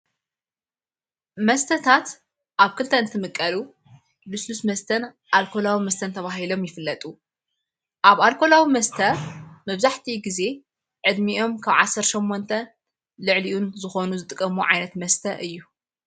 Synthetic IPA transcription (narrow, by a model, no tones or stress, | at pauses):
mɐst̪ʰɐt̪ʰat̪ | ʔaβkʰɨlt̪ʰɐɨnt̪ʰɨmɨkʼːɐlu | luslusmɐst̪ʰɐn | ʔalkʰo̞lawimɐst̪ʰɐnt̪ʰɐβaɦilo̞mjɪfɨlːɐt̪ʼu | ʔaβalkʰo̞lawimɐst̪ʰɐmɐβzaħt̪ʰiɡize̞ | ʕɨd̪miʔo̞mkʰaβʕasːɐɾʃomːo̞nt̪ʰɐ | lɨʕliʔunzɨxo̞nuzɨt̪ʼɨkʼːɐmuʕajnɐt̪mɐst̪ʰɐʔɨjːu